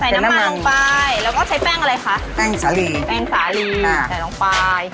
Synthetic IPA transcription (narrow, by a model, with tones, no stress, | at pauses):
sa˨˩˦na˦n˦ma˦a˧lɔ˧˥ŋpaː˧jlɛː˦˥wkɔː˥˩t͡ɕʰa˦˥jpɛː˥˩ŋʔa˧ɾa˧jkʰa˦˥ʔpɛː˥˩ŋsaː˩˦liː˧˩pɛː˥˩ŋsaː˩˦li˧a˧˩sa˨˩˦jlɔ˧ŋpaː˧j